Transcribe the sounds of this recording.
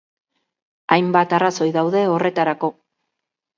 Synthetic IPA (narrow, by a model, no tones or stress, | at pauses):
ajmbat̪araso̞jðawðe̞o̞re̞t̪aɾako̞